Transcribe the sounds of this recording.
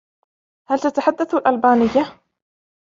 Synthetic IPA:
halt̪at̪aħad̪ːaθalʔalbaːnɪjːa

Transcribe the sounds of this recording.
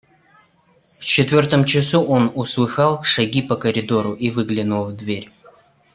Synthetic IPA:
ft͡ɕɪt̪vʲort̪əmt͡ɕɪsuʔonʊslˠɨxɑlˠʂɐɡʲipəkəɾʲɪd̪oɾʊʔivɨɡlʲɪnʊlˠvd̪vʲeɾʲ

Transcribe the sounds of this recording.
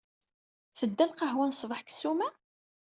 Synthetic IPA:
θəd̪ːælqəɦwænsˤvəħksumæ

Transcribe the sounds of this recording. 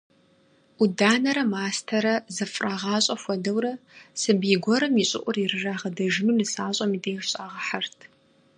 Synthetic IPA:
udaːnɐɾɐmaːstʰɐɾɐzɨfʼraːʁɑːɕʼɐfʷɔdɐwɾɐsɨbiɡʷɔɾɐmiɕʼɪ̰ʔʷʼʊrirɨraːʁɐdɐʒɪmɨnɨsaːɕʼɐmideːɕʼaːʁɐħartʰ

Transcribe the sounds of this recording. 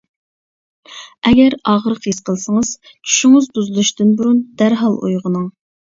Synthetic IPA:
ɛɡʲɛɾɑʁəɾəqiz̥qʰəlˠsəŋəz̥ | t͡ʃʰy̥ʃyŋɨzbuzɨlˠuʃt̪ɪnbuɾund̪æɾɦɑlˠṵjʁənɨŋ

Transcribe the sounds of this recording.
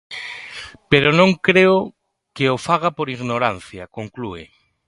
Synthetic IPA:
peɾonõŋkɾeo | keofaɣapoɾiɣnoɾanθjakoŋkluɪ̰

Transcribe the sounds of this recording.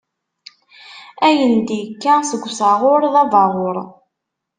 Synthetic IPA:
æjənd̪ikːasəɡʷːsɑʁʊɾðɑvɑʁoɾˤ

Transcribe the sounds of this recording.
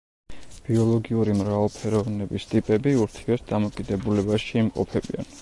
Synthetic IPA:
b̥iɔlˠɔɡiuɾimɾavalˠpʰɛɾɔvnɛbist̪ʼipʼɛbiuɾt̪ʰiɛsd̪amɔkʼid̪ɛbulɛbaʃiːmqʼɔ̰pʰɛbḭa̰n

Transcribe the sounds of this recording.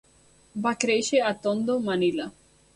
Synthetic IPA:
bakɾejʃeat̪ːond̪omanila

